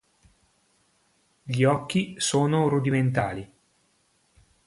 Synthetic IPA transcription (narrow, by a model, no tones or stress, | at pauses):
ʎiɔkːisoːnoɾud̪iment̪aːli